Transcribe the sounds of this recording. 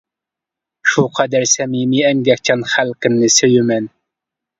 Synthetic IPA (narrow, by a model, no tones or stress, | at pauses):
ʃuqʰɑd̪æɾsɛmimiɛŋɡʲɛk̚ʲt͡ʃʰɑnχælkʲɪnːɪsøjymɛn